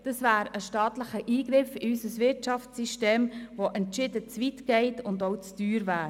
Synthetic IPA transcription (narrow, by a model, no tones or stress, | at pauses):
d̥ɑsvæːɾəʃtɑːtləχəʔiːɡɾɪfɪysəsvɪtt͡ʃɑft͡siʃteːmvoʔɛntʃɪdət͡svitɡ̥ɛɪtʊndoʊt͡styːɾvæːɾ